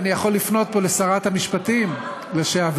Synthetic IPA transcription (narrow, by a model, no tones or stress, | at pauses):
nijaχo̞lːifno̞t̪̚po̞lesaʁat̪hamiʃpatim | leʃeav